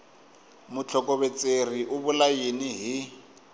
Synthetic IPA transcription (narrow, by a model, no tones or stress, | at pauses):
mʊt͡ɬʰɔkʼɔβet͡sʼeriʔʊbʊlajiniɦi